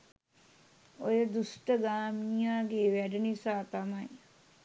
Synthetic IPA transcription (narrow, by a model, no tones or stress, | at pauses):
ojəd̪usʈəɡaːmijaːɡeːʋæɖənisaːt̪amaj